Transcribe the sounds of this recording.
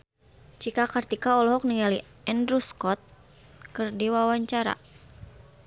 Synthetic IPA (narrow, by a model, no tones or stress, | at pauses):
t͡ʃikakart̪ikaɔlɔɦɔk̚niŋali | ɛndɾuskɔt̪̚ | kɨrdiwawaɲt͡ʃaɾa̰